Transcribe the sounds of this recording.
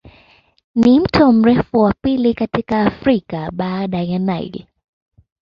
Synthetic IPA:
nim̩tʰɔm̩ɾɛfuwapilikatikaːfɾikaɓaːɗajanaj̰li

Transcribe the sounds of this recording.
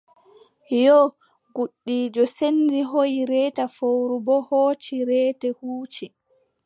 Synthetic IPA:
jɔ | ɡuɗːiːd͡ʒɔsendiɦojiɾɛːtafowɾubɔhoːt͡ʃiɾɛːtɛhuːt͡ʃi

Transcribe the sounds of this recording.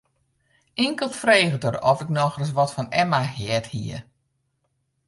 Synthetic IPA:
ɪŋkəlˠfreːɣətərɔfɪk̚nɔxrəs̬ʋɔtfɔnɛmahɛəthḭə

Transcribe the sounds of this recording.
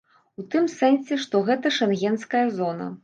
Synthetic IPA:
ut̪ɨmsɛnsʲɛʂt̪ɔɣɛt̪ɐʂɛnɣʲɛnskɐjɐzɔnɐ̰

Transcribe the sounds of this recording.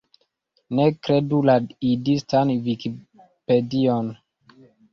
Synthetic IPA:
nekɾedulaidistanviki | pedion

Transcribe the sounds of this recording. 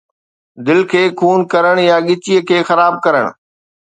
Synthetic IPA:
d̪ɪlkʰeːkʰuːnkɐɾəɽ̃jaɠɪt͡ɕijəkʰeːxɐɾaːb̚kɐɾəɽ̃

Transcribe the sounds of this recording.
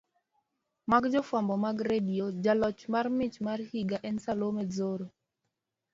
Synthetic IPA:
maɡd͡ʒɔfwambɔmaɡɾediod͡ʒalɔt͡ʃmarmɪt͡ʃmarhiɡaʔɛnsalomezoɾo

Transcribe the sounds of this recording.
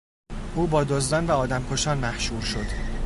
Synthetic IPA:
ʔuːbɒːd̪ozd̪ɒːnvæɒːd̪æmkʰoʃɒːnmæhʃuːɾʃo̞d̪̥

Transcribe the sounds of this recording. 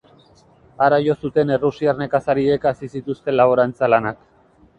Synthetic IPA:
aɾajo̞sut̪e̞ne̞rusiarne̞kasaɾie̞kasisit̪ust̪e̞laβ̞o̞ɾant͡salanak

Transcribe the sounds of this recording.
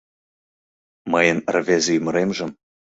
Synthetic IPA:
mɤjənrvʲezʲejymə̆ɾemʒə̆m

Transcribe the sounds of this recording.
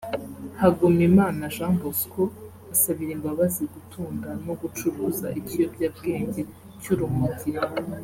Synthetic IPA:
haɡomimaːnaʒambosko | asaβiɾembaβaziɡutʰuːndano̞ɡut͡ʃuɾuːza̰ʔitijobɟab̚ɡe̞ːɲɟe | cuɾumuti

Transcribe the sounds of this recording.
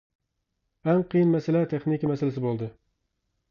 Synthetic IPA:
amqʰɨjɪnmasɪlat̪ʰeχnɪkʲimasɪlɪsɪbolˠd̪ɪ

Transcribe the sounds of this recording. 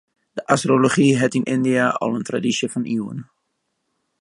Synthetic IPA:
dəʔastroloχiɦɛtɪnʔɪndiaʔɑ̰lˠəntra̰disjəfɑnʔiə̰n

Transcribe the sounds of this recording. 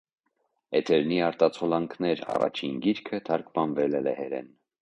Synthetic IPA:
ɛt̪ʰɛɾniɑɾt̪ɑt͡sʰɔlɑŋkʰnɛɾɑ̰rɑ̰t͡ʃʰinɡiɾkʰət̪ʰɑɾkmɑnvɛlɛlɛhɛɾɛ̰n

